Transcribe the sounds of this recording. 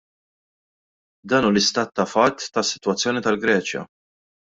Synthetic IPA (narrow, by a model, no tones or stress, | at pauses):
d̪ɐːnuːlɪst̪ɐːt̪ːɐfɐt̪ːɐsːɪ̥t̪wɐt͡sːjɔːnit̪ɐlɡɾɛːt͡ʃjɐ̰